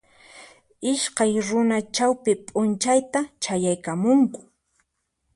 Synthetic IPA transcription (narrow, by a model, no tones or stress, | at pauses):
ɪʃkajɾʊnat͡ʃawpɪpʼʊnt͡ʃajt̪at͡ʃajajkamʊŋkʊ̥